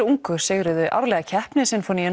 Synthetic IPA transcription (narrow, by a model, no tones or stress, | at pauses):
ɾuŋkʏ̥sɪɣɾʏðʏʔa̰vlɛɣacʰɛhpnɪsɛnfɔniɛn